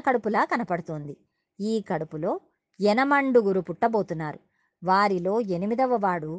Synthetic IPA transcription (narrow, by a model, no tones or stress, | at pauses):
kɐɽupulaːkɐnɐpɐɽut̪oːnd̪i | iːkɐɽupulo̞ː | jɛnɐmɐɳɖuɡuɾupuʈːɐbo̞ːt̪unːaːɾu | ʋaːɾilo̞ːe̞nimid̪ɐʋɐʋaːɽu